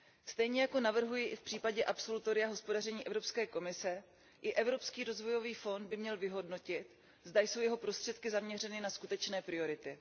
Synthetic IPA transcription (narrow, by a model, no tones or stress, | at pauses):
st̪ɛjɲɛjako̞navr̩ɦujɪʔɪfpr̝̥iːpaɟɛʔapso̞lut̪o̞ɾɪaɦo̞spo̞darɛɲiːʔɛvɾo̞pskɛːko̞mɪsɛ | ʔɪʔɛvɾo̞pskiːɾo̞zvo̞jo̞viːfo̞nd̪̚bɪmɲɛlvɪɦo̞dno̞cɪt̪ | zdajso̞wjɛɦo̞pɾo̞st̪r̝̥ɛt̪kɪzamɲɛrɛnɪnaskut̪ɛt͡ʃnɛːpɾɪo̞ɾɪt̪ɪ